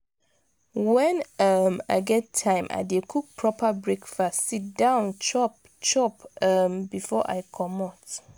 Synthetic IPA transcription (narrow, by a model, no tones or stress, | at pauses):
wɛ̃nʌma̰ɪɡɛtʰːãɪ̃mʔa̰ɪdekʰuk̚pʰɹɔpʰəbɹekfɔsit̚dãʊnt͡ʃɔp | t͡ʃɔpʌmbifɔʔa̰ɪkʰɔmɔt